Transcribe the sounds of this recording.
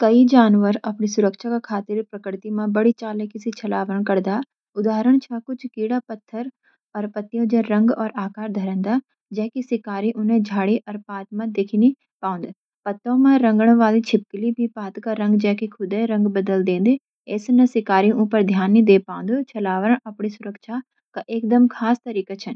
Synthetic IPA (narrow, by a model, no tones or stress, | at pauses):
kɐid͡ʒaːnʋəɾɐpnisʊɾəkʃakakʰaːt̪ɪɾpɾɐkɾɪt̪imãbɐɽit͡ʃaːlekɪsit͡ʃʰɐlaːʋəəɳ̃kɐɾd̪a | ʊd̪aːɾəɽ̃t͡ʃʰakʊt͡ʃʰkiːɽapɐt̪ʰːəɾ | ɔːɾpɐt̪ːijõd͡ʒə̃ɾɐ̃ŋɡɔːɾaːkaːɾd̪ʱəɾə̃nd̪a | d͡ʒɛːkisɪkaːɾiʔʊnɦẽd͡ʒʱaːɽiʔɔːɾpaːt̪mãd̪ekʰini | paːʊ̃nd̪ | pɐt̪ːõmãɾə̃ŋɡəɽ̃ʋaːlit͡ʃʰɪp̚klibʱipaːt̪kaɾə̃ŋɡd͡ʒɛːkikʰʊd̪ɛɾə̃ŋɡbəd̪əld̪ẽːnd̪e | eːsnɐsɪkaːɾiũːpəɾd̪ʱjaːnɦĩd̪eːpãːnd̪ot͡ʃʰɐlaːʋəɾəɳ̃ɐpɳ̃isʊɾəkʃa | kaʔeːkd̪əmkʰaːst̪əɾiːkat͡ʃʰən